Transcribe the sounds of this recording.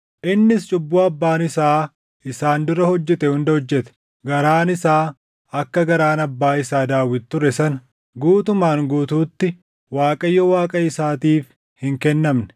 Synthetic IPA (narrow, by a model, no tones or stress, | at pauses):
ʔɪnːɪst͡ʃʼʊbːuːɐbːaːnɪsaː | ɪsaːnd̪ʊɾɐhɔd͡ʒːɛt̪ɛhʊnd̪ɐhɔd͡ʒːɛt̪ɛ̥ | ɡɐɾaːnɪsaː | ɐkːɐɡɐɾaːnɐbːaːɪsaːd̪aːwːɪt̪t̪ːʊɾɛsɐn | ɡuːt̪ʊmaːŋɡuːt̪uːt̪ːɪ | waːkʼɐjːɔwaːkʼɐɪsaːt̪iːf | hɪŋkɛnːɐmnɛ̥